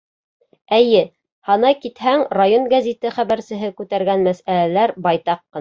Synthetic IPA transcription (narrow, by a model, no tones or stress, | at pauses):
æjɘ | hɑnɑjkit̪hæŋrajonɡazʲit̪ɘχæβæɾsɘ̆ɦɘkʉt̪æɾɡænmæsælælæɾbɑjt̪ɑqːɤ̆